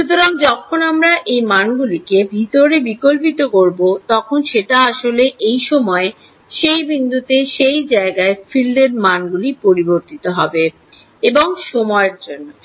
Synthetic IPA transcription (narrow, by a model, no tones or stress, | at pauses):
ʃut̪oɾaŋd͡ʑɔkʰonamɾaʔejmanɡulikebʱit̪oɾebikolpit̪okoɾbot̪ɔkʰonʃeʈaaʃoleʔejʃɔmɔe | ʃejbind̪ʱut̪eʃejd͡ʑaeɡaefilɖeɾmanɡulipoɾiboɾt̪it̪oɦɔbe | eboŋʃomɔeɾd͡ʑonːo